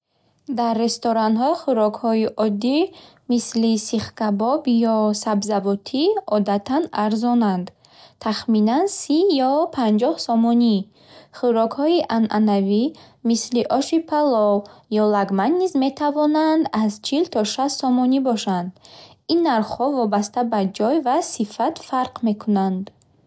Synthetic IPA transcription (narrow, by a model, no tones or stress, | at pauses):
d̪arːe̞st̪ɔɾanɦɔiχuɾɔkhɔiʔɔd̪i | mislisiχkabɔbjɔsabzavɔt̪ʰiɔd̪at̪ʰanaɾzɔnand̪ | t̪ʰaχminansijɔpʰand͡ʒɔhsɔmɔni | χuɾɔkhɔiʔanʔanavi | misliʔɔʃipʰalɔjɔlaɡmanːizme̞t̪ʰavɔnand̪azt͡ʃʰilt̪ʰɔʃassɔmɔnibɔʃand̪ | inːaɾχhɔvɔbast̪abad͡ʒɔjvasifat̪faɾqme̞kʰunand̪